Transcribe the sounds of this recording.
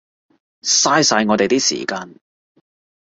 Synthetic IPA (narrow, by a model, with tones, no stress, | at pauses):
saː˥jsaː˧jŋɔː˨˧t̪e˨jt̪iː˥sḭː˨˩kaː˧n